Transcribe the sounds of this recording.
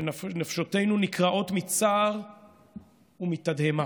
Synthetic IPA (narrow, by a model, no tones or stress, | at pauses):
nafʃote̞jnunikʁaʔo̞tmit͡saːʁ | umit̪adhema